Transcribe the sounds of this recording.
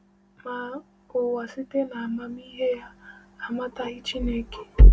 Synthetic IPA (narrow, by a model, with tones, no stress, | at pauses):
ma˨ | o˨wa˨si˦te˦na˨ma˦mi˦ɦe˦ja˦a˨ma˦ta˦i˦t͡ʃi˦ne˦ke̥˦